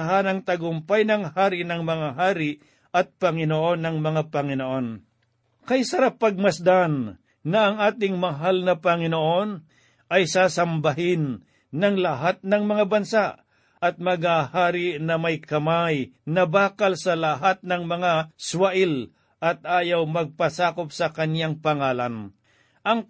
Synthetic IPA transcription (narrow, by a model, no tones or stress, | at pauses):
ɦanɐŋt̪ɐɡʊmpajnɐŋhaːɾɪnɐŋmɐŋaɦaːɾɪʔ | ʔɐt̪̚pɐŋɪnoʔo̞nːɐŋmɐŋapɐŋɪnoʔo̞n | kɐjsɐɾapːɐɡ̚mɐsd̪anː | ɐʔɐŋaːt̪ɪŋmɐɦalnɐpɐŋɪnoʔo̞n | ʔɐjsaːsɐmbɐɦɪnː | ɐŋlɐɦat̪̚nɐŋmɐŋabɐnsaʔ | ʔɐt̪̚mɐɡhaːhaːɾɪʔnɐmɐjkɐmajnɐbaːkɐlsɐlɐɦat̪̚nɐŋmɐŋaswɐʔɪl | ʔɐt̪̚aːjawmɐɡ̚pɐsaːkopsɐkɐnjaŋpɐŋaːlɐn | ʔɐŋ